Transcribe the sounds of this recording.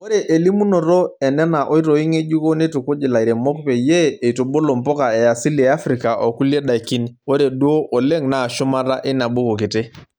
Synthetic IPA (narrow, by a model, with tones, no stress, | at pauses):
o˦ɾe˨ʔe˨li˦mu˦no˨ɾo˦ɛ˨nɛ˦na˨ʔo˦i˦ɾo˨i˦ŋe˦d͡ʒu˦ko˦ne˦to˨ko˦d͡ʒi˨la˨i˨ɾe˨mo˦kpe˨je˦e˨i˨to˨ɓo˦lo˨mpɔ˦ka˨ɛ˨a˨si˦li˨ɛ˨a˦fɾi˨ka˨ʔo˨ku˦le˦ɗa˨i˨ki˦no˦ɾe˨du˦o˦ʔo˨le˦ŋna˨ʃʊ˦ma˦ɾa˦ʔɪ˦na˨ɓo˦ko˨kɪ˨te˦